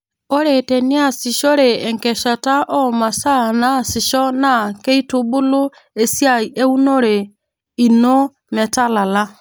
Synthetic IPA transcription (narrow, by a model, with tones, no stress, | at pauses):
o˦ɾe˨tɛ˨ni˦a˦si˨ʃo˦ɾeː˨ŋkɛ˨ʃa˨ta˦ʔɔ˦ma˨sa˦na˦˨si˨ʃɔ˦na˦ke˦i˦tu˦bu˦lu˦ | e˨sja˦i˨e˦u˦no˦ɾe˨ | i˨no˦ | mɛ˨ta˦la˨la˦